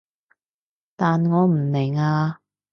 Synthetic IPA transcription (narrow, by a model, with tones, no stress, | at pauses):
t̪aː˨nŋɔː˨˧m̩˨˩nɪ˨˩ŋaː˧